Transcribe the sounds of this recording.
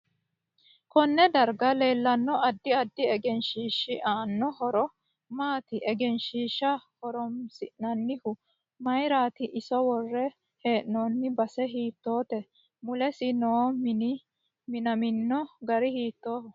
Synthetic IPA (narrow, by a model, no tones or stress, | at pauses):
kɔnːɛd̪ɐɾɡɐle̞ːlːɐnːɔɐd̪ːɪɐd̪ːɪɛɡɛnʃiːʃːɪʔaːnːɔhɔɾɔ | maːt̪ɪʔɛɡɛnʃiːʃːɐhɔɾɔmsɪʔnɐnːɪhʊ | mɐjɾaːt̪ɪʔɪsɔwɔrːɛ | he̞ːʔnɔːnːɪbɐsɛɦiːt̪ːo̞ːt̪ɛ | mʊlɛsɪnoːm | mɪnɐmɪnːɔɡɐɾɪhiːt̪ːoːhʊ